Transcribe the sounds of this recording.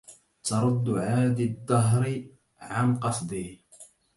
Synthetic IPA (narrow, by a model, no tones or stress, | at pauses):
t̪ɑɾˤʊd̪ːʊʕaːd̪id̪ˤːɑɦɾɪ | ʕanqɑsˤd̪ˤiː